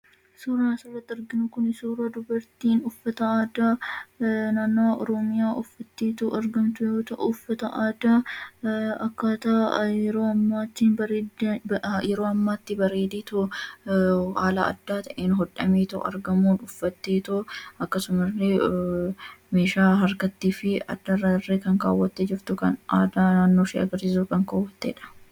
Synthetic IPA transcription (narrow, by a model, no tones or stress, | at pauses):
suːɾaːsʊrːɐt̪ːɪɐɾɡɪnʊkʊnɪsuːɾaːd̪ʊbɐɾt̪iːnʊfːɐt̪ɐaːd̪aː | naːnːoːʔɔɾɔmɪjaːʔʊfːɐt̪ːeːt̪ʊʔɐɾɡɐmt̪ʊjoːt̪ɐʔʊʊfːɐt̪ɐʔaːd̪aː | ɐkːat̪ɐɛɾoːɐmːaːt̪ːɪnb | jɛɾo̞ːɐmːaːt̪ːɪbɐɾe̞ːd̪eːt̪ʊ | haːlɐɐ̰d̪ːaːt̪ɐʔeːnɦɔᶑɐmeːt̪ʊ̰ʔɐ̰ɾɡɐmuːnʊfːɐt̪ːeːt̪ʊɐkːɐsʊmɐre | meːʃaːɦɐɾɡɐt̪ːiːfɪɐ̰d̪ːɐrːɐreːkɐŋka̰ːwːɐt̪ːed͡ʒɪɾt̪ʊkɐnʔaːd̪aːnaːnːoːʃḭɐ̰ɡɐɾsɪsuːkɐŋkaːwːɐt̪ːeːᶑɐ̥